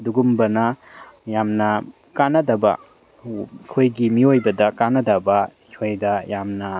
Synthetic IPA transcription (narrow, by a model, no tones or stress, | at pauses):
duɡumbɐnɐjamnɐ | kanːɐdɐbɐ̰ | kʰojɡimiojbɐdɐkanːɐdɐbɐikʰojdɐjamnɐ